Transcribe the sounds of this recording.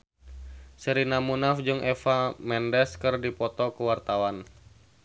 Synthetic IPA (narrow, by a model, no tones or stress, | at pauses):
səɾinamunafd͡ʒɨŋʔɛfamɛndɛskɨrdipɔt̪ɔkuwart̪awan